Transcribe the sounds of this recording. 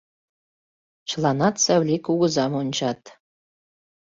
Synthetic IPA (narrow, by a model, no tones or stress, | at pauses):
t͡ɕlˠɑnɑt̪sæwlʲikuɣə̆zɑmonʲt͡ɕɑt̪